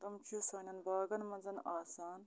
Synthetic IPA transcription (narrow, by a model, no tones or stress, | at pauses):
d̪ɐmt͡ʃʰuːsaːnʲɐnbaːɡɐnmɐnzɐnaːsaːn